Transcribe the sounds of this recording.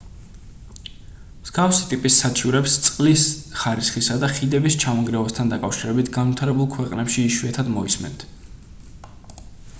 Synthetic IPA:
mz̥ɡafsit̪ʼipʼisːat͡ʃʼiɾɛpst̪sʼqʼlisχaɾisχisad̪aχid̪ɛbist͡ʃʰamɔŋɡɾɛvast̪ʰand̪akʼafʃiɾɛbit̪ʰɡanvit̪ʰaɾɛbulˠkʰwɛqʼnɛpʃiːʃwuɛt̪ʰad̪mɔismɛ̰nt̪ʰ

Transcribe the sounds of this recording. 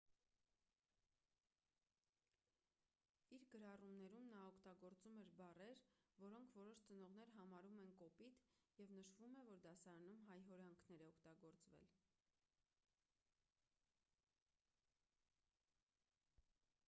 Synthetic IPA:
iɾɡəɾɑrumnɛɾumnɑɔkʰt̪ɑɡɔɾt͡sumɛɾbɑrɛɾvɔɾɔŋkʰvɔɾɔʃt͡sənɔʁn̪ɛɾɦɑmɑɾumɛnkɔpit̪jɛvnəʃvumɛvɔɾd̪ɑsɑɾɑnumɦɑjɦɔɾɑŋkʰnɛɾɛɔkʰt̪ɑɡɔɾt͡svɛ̰l

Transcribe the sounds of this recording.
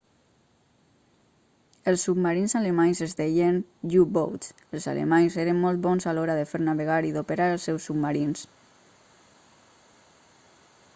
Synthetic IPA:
əlˠsːub̚maɾinzaləmaɲzəzd̪ɛjənʎubo̰wt̪ | əlˠza̰lə̰maɲzeɾəmmɔlˠt̪bɔnzalɔɾaðəfeɾnaβəɣaɾiðopəɾaɾəlˠsːɛwsub̚maɾins

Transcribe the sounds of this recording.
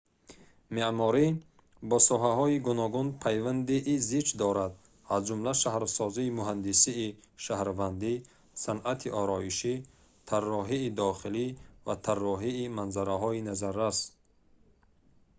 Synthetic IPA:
memɔɾi | bɔsɔɦaɦɔiɡunɔɡunpʰajvand̪iʔizit͡ʃd̪ɔɾad̪ | azd͡ʒumlaʃahɾsɔziːmuɦand̪isiːʃahɾvand̪i | sanʔat̪ʰiʔɔɾɔiʃi | t̪ʰarːɔɦiːd̪ɔχilivat̪ʰarːɔɦiːmanzaɾaɦɔinazaɾːas

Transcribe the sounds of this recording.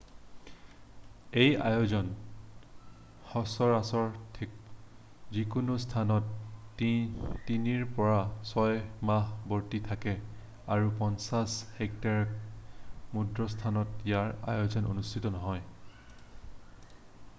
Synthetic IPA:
eja̰jozɔn | xɔsɔɹasɔɹtʰik | zikunustʰanɔt̚ | tiniɹpɔɹasɔjmahboɹtitʰakɛ | aɹupɔnsashɛk̚taɹk̚ | mudɹɔstʰanɔtjaɹa̰jozɔno̰nustʰitɔnɔɦɔj

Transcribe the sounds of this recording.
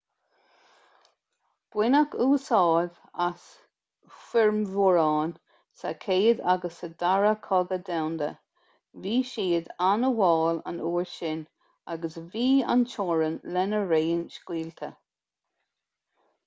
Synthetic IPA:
b̥wɪnakʰuːsɑːlv | as | fɪɹmvɔɹɑːn | sa̰kʰeːəd̪aɡəsəd̪aɹəkʰɔɡəd̪awnd̪ə̰ | viːʃiːəd̪anəwɑːla̰nuːɹʃɪn | aɡəsviːa̰nt͡ʃɔːɹənlɛnəɹeːənʃkwiːlt̪ʰə

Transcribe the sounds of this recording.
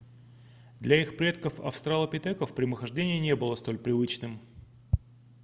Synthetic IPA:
d̪lʲɐixpɾʲe̞t̪kəfɐ̰fst̪ɾalˠəpʲɪt̪ɛkəfpɾʲɪməxɐʐdʲenʲɪjənʲebɨlˠəst̪o̞lʲpɾʲɪvɨt͡ɕnɨm

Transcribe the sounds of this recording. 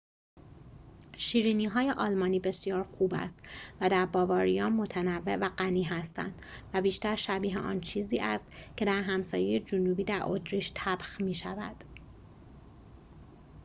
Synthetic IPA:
ʃiːɾiːniːɦɒːje̞ʔɒːlmɒːniːbe̞sijɒːɾxuːbæ̰st̪væd̪æɾbɒːvɒːɾijɒːnmo̞t̪ʰænævːe̞væɢæniːɦæst̪æ̰nd̪̥væbiːʃt̪æɾʃæbiːɦḛʔɒ̰ːnt͡ʃʰiːziːʔæst̪cʰe̞d̪æɾɦæmsɒːjejed͡ʒonuːbiːd̪æɾʔo̰t̪ɾiːʃt̪ʰæb̥xmiːʃævæ̰d̪̥

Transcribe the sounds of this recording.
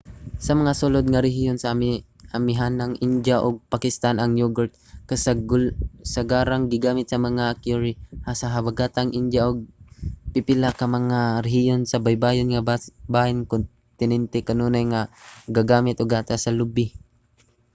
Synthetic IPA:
sɐmɐŋasʊlod̪̚ŋaɾɛɦijonsa | amɪɦanaŋʔɪnd͡ʒaʔʊɡ̚pakɪst̪anaŋjuɡʊɾt̪̚kas | saɡaːɾaŋɡɪɡaːmɪt̪̚sɐmɐŋakjuɾɪhasaɦabaɡat̪aŋʔɪnd͡ʒjaʔʊɡ̚pɪpɪlakɐmɐŋaɾɛɦɪjonsɐbajbaːjonŋabahɪnkʊn | t̪ɪnɛnt̪ɛkɐnunajŋaɡaɡaːmɪt̪ʔʊɡaːt̪asɐlʊbɪ

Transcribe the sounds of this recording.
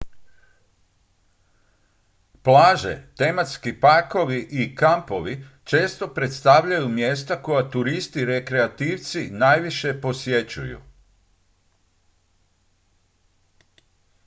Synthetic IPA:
plaːʒe̞̰t̪e̞mat̪skipako̞ʋiʔikampo̞ʋi | t͡ʃe̞ːst̪o̞pɾe̞t̪st̪aʋʎajumje̞ːst̪akojat̪uɾist̪iɾekɾeat̪iːʋt̪sinajʋiʃe̞po̞sje̞t͡ɕṵjṵ

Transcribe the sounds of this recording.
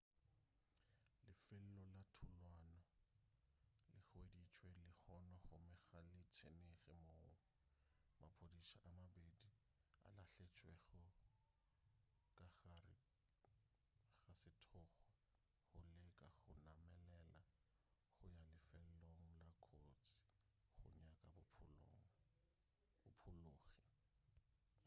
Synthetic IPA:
lɪfɪl̩lɔlatʰʊlwanɔ | lɪχʊedit͡ʃʼwelɪk͡xɔnɔχʊmɪɣalɪt͡sʰeneɣɪmoː | mapʰodisaʔamabedi | a̰laɬet͡ʃʼwɛɣʊ | kʼaarɪ | ɣasɪtʰɔχɔ | hʊlɛkʼaɣʊnamɛlɛla | χʊjalɪfɛlloŋ̩lakʰot͡sʰɪ̥ | χʊ̰ɲakʼabʊŋ̩ | ʊpʰʊloːɣi

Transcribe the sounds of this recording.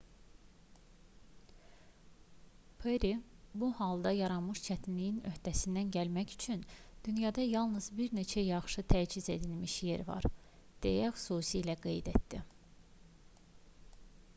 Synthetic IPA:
pʰeɾibuhɑlˠd̪ɑjɑɾɑnmɯʃt͡ʃʰæt̪ʰinlijinø̞hd̪æsind̪ænɟælmæcy̥t͡ʃʰynd̪̥ynjɑd̪ɑjɑlˠnɯzbiɾne̞t͡ʃʰæjɑχʃɯt̪ʰæd͡ʒize̞d̪ilmiʃje̞ɾvɑ̰ɾ | d̪̥e̞̰jæxy̥suːsiːlæɡe̞̰jd̪et̪d̪̥ḭ

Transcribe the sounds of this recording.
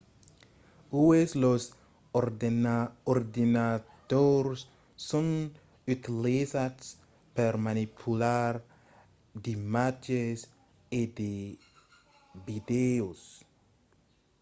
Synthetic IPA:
ueslos | oɾdenaoɾd̪inat̪oɾsː | un | yt̪ilizats | peɾmanipʰulaɾ | d̪imad͡ʒes | ed̪e | bid̪eos

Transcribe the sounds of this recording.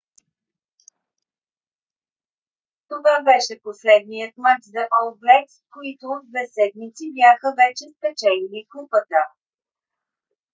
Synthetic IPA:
t̪ovabɛʃɛposlɛd̪̚nijət̪mat͡ʃzɐʔɔlˠɡlɛskoit̪oːd̪d̪vɛsɛd̪̚mit̪sibjaxəvɛt͡ʃɛspɛt͡ʃɛliniklˠupət̪ə

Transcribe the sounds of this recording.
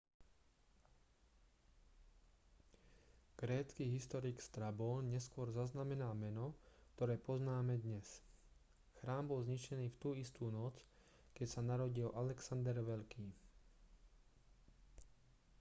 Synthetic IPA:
ɡ̥ɾɛːt͡skiɦist̪ɔɾikst̪ɾabɔːnɲɛskʊɔɾzaznamɛnaːmɛnɔkt̪ɔɾɛːpɔznaːmɛd̪ɲɛs | xɾaːmbɔlzɲit͡ʃɛniːft̪uːist̪uːnɔt͡s | kɛcsanaɾɔɟilʔalɛksand̪ɛɾʋɛʎkiː

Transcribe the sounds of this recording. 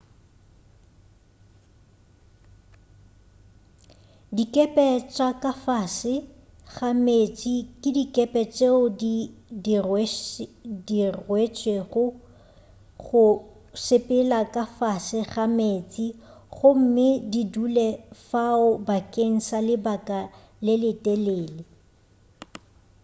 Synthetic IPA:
dikʼɛpʼɛt͡ʃʼwakʼafasɪ | ɣamet͡sʼikʼɪdikʼɛpʼɛt͡ʃʼeʊdid | dirwet͡ʃʼweɣʊ | ɣʊ | sɪpʼɪlakʼafasɪɣameːt͡sʼiɣʊm̩mɪdidulɛfaʊbakʼeŋ̩salɪbakʼa | lɪlɪtʼɛleːlɪ

